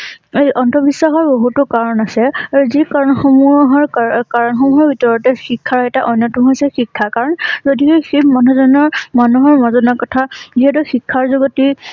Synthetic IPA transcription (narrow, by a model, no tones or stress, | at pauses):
ejɔntʰɔbisːaxɔɹboɦutʊkaɹɔnasɛaɹuzikaɹnxomuɦɔɹkaɹɔnxɔmuɦɔɹbʱitɔɹɔtɛxikʰːaɹɛtaʔɔjnjɔtuɦojsɛxikʰːakaɹɔnzodikeximanɔzɔnɔɹmanuɦɔɹmazɔnakɔtʰaziɦɛt̬ʊxikʰːaɹzoɡoti